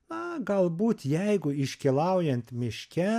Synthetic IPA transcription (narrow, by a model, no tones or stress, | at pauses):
nɐɡɐlˠbuːt̪jɛɪɡʊɪʃʲkʲilˠɐʊjɛnt̪mʲɪʃʲkʲɛ